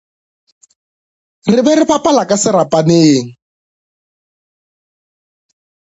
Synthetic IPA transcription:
rɪβɛɾɪɸapalakasɪɾapaneːŋ̩

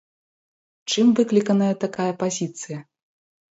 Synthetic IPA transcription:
t͡ʂɨmvɨklʲikɐnɐjɐt̪akajɐpazʲit̪sɨjɐ

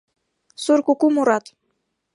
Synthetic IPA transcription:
suɾkukumuɾɑt̪

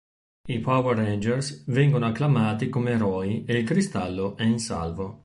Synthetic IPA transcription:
ipʰawɛrend͡ʒɛrsvɛŋɡonoakːlamaːt̪ikomeːɾɔːieilkɾist̪alːoʔɛinsa̰lvo

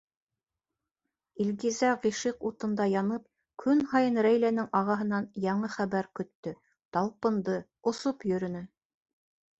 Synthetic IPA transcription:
ilʲɡizæʁiʃiqut̪ɤ̆nd̪ɑjɑnɤp | kʰɵnhɑjɤnɾæjlænɘŋɑʁɑɦɤ̆nɑnjɑɴɤχæβæɾkɵ̆t̪ːɵ | t̪ɑlˠpɤ̆nd̪ɤ | ŏsopjɵ̆ɾɵ̆nɘ

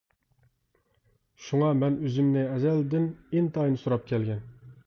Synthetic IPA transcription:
ʃuŋɑmɛnøzymnɪɛzɛld̪ɪnɪnt̪ʰɑjnɨsuɾɑp̚kʲʰɛlɡʲɛn

